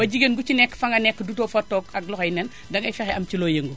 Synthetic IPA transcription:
bɐɟiɡenɡut͡ʃinɛkːfɐŋɡɐnɛkːədutɔːfɐtːɔːkɐɡ̚lɔxɐjnɛn | dɐŋɐjfɛxɛʔɐmt͡ʃilɔːjəŋɡu

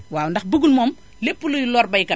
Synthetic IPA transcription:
waːwundɐxbuɡulmɔːm | lepːulujlɔːrbɐjkɐ

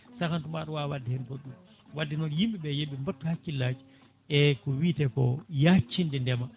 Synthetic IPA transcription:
sakantumaɗɔwawadːihɛmkɔɗum | wadːinɔnjimɓiɓɛjeɓimbatːuhakːilːaːd͡ʒi | ɛkɔwiːtɛkɔjat͡ʃːindɛndɛma

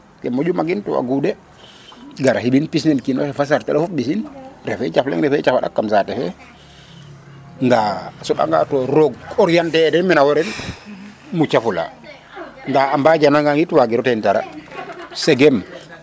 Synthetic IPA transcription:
kɛmod͡ʒumaɡintɔwa̰ɡudɛ | ɡaɾahibinpisnɛnkinɔsɛfas̬aɾtɛlɔfufbisinɾɛfɛt͡ʃaflɛ̰ŋɾɛfɛt͡ʃafaɗa̰kːamsatɛfɛ̰ | ndasɔɓa̰ŋɡa̰tɔɾɔɡɔɾjantɛdɛmɛnawɔɾɛn | mut͡ʃafula̰ | ndaambad͡ʒanaŋɡaŋitwaɡiɾɔtɛntaɾa̰ | sɛɡɛm

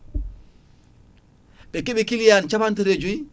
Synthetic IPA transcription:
ɓɛkiɓikilijant͡ʃamantaɾeːd͡ʒuj

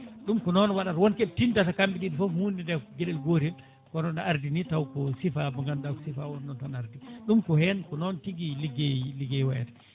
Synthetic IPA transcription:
ɗumkɔnɔnwaɗatwɔnkɛtindatakambiɡidifɔhundidɛɡɛlɛlɡoɾɛl | kɔnɔnaɾdinitawkɔsifabɔŋɡandakɔ̥sifawɔndɔntanaɾdiɗumkɔhɛnkɔnɔntiɡiliɡɛliɡɛjwɛtɛ̥

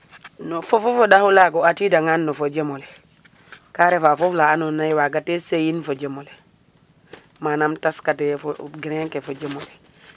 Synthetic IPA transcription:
nofofofodahulaɡoatidaŋanːofod͡ʒemole | kaɾefafoflaːnonajiwaɡatesejinfod͡ʒemole | manamtaskatefoɡiɾeŋkefod͡ʒemole

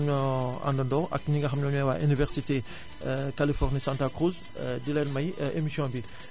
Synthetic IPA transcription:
ɲɔa̰ndɐndɔɐ̰k̚ɲiŋɡɐxɐmɲɔɲɛwaʔynivɛʁsite | kalifɔʁnisãːntakʁuz | dilɛnmɐjʔemisjɔ̃bi

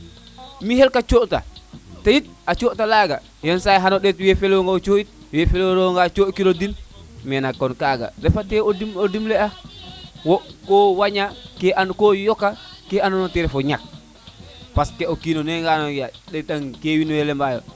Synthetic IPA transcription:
mihelkat͡ʃoʔta̰tajit̚ | at͡ʃoʔtalaɡa | jɔnsajɦanoɗetwefelwoŋɡaot͡ʃoit̚ | wefeloɾoŋɡat͡ʃokiɾodinmɛnakːɔnkaɡa̰ɾɛfateodimodimlɛa | wɔkowaɲakeʔankojɔkːakeanonoteɾɛfoɲak̚ | paskeokinoneŋɡanojaɗɛtaŋkewinɛlɛmbajo̰

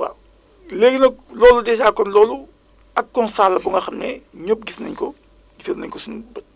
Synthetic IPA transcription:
wa̰ | leːɡnɐklɔːludɛːʃaːkːɔnlɔːlu | ɐkːɔnsaːlːɐbuŋɡɐxɐmnɛɲɔp̚ɡisnɐ̰ɲkɔ | ɡisnɐ̰ɲkɔsunbɐt̚

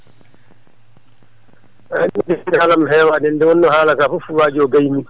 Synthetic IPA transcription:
anɛdɛnhalamɦɛːwaːɗɛndɛwɔnːɔhaːlakaːfɔfuwaːd͡ʒiɔɡajmi

